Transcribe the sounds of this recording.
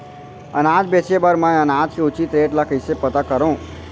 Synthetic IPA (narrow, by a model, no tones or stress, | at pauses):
ə̰nad͡ʒbet͡ʃebəɾmãənad͡ʒkʰeut͡ʃit̪ɾeʈlakəjsepət̪akəɾõː